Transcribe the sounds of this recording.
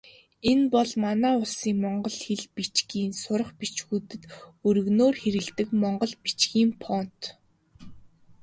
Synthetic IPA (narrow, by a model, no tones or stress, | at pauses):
enpɔɮmanæːʊɮsiːŋmɔɴɢɞ̆ɮxeɮpit͡ɕɡiːnsʊɾə̆χpit͡ɕxuːt̪ɘ̆t̪ɵɾɵ̆ɣnoːrxeɾɘ̆ɮt̪ɘ̆kmɔɴɢɞ̆ɮpi̥t͡ɕɡiːmpʰɔn̥t̪